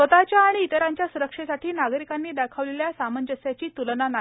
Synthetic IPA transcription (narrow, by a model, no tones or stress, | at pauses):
sət̪at͡ɕjaːɽ̃iːt̪əɾaɲt͡ɕjasuɾəkʂesaʈʰiːnaɡəɾikanːiːd̪akʰəʋleljasamənd͡ʑəsjat͡ɕiːt̪ulnana